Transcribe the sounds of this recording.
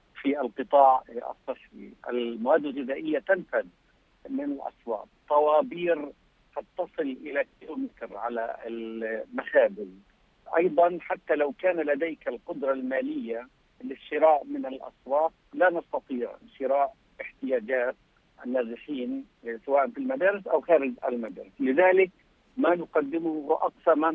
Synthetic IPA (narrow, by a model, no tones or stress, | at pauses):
fiɪlqɨt̪ˤɑːʕʔɑ̰sˤːɨħiʔɪ̰lmawaːd̪ːɪlɣɪðaːʔɪjːat̪anfad̪ | mɪnɪlʔɑ̰sˤwɑ̰ːt̪̚ˤt̪ˤːɑwɑːbiːɾ | hɑt̪ːɑsˤɨlʔɪlakilumɪt̪ɾʕalaɪlmaxaːðɪl | ʔɑ̰jd̪ˤɑnħat̪ːalawkaːnalad̪aːkɪlqʊd̪ɾˤɑlmaːlɪjːa | lɪʃːɪɾaːʔmɪnɪlʔɑ̰sˤwɑːt̪̚lanɑst̪ɑt̪ˤiːʕɪ̰nʃɪɾaːʔ | ʔɪħt̪ɪjaːd͡ʒaːt̪̚ | ʔanːaːzɪħiːn | sawaːʔanfilmad̪aːɾɪsʔawxaːɾɪd͡ʒʔa̰lmad̪a̰ːɾɪslɪðaːlɪk̚ | manʊqɑd̪ːɪmʊhʔɑqsama